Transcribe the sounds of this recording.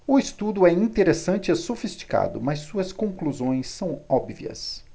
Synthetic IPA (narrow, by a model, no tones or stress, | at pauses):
ʊist̪ud̪ʊɛĩnt̪eɾesɐ̃nt͡ʃɪasofist͡ʃi̥ka̰d̪ʊ̰mɐsːuɐskõkluzõj̃sːɐ̃w̃ɔbviɐ̰s